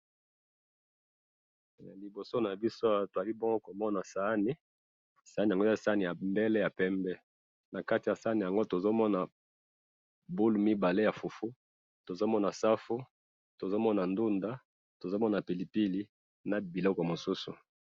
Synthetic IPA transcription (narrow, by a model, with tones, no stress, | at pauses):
li˨bo˨so˦na˨bi˦so˦a˨to˨a˨li˦bo˦ŋɡo˦ko˨mɔ˦na˨sa˨˦ni˦ | sa˨˦ni˨a˨ŋɡo˦˨sa˦ni˨ja˨mbɛ˦lɛ˦ja˨pɛ˦mbɛ˦ | na˨ka˦ti˨ja˨sa˦ni˨ja˨ŋɡo˦to˨zo˦mɔ˦na˨ | bu˦lu˨mi˦ba˨le˦ja˨fu˨fu˦ | to˨zo˦mɔ˦na˨sa˦fu˦ | to˨zo˦mɔ˦na˨ndu˦nda˦ | to˨zo˦mɔ˦na˨pi˨li˨pi˦li˦ | na˨bi˨lɔ˦kɔ˨mo˨su˦sṵ˨